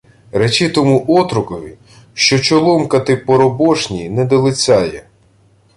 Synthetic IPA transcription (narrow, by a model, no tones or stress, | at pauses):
ɾet͡ʃɪt̪ɔmuʔɔt̪ɾʊkɔʋʲi | ʃt͡ʃɔt͡ʃɔlˠɔmkɐt̪ɪpɔɾɔbɔʃnʲinɛd̪ɔlˠɪt͡sʲɑjɛ